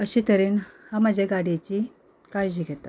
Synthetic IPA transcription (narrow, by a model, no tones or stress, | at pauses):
əɕiːt̪əɾiːnham̤ad͡ʑʱaɡaɽjat͡ɕiː | kaɾd͡ʑiːɡʱɛt̪at̪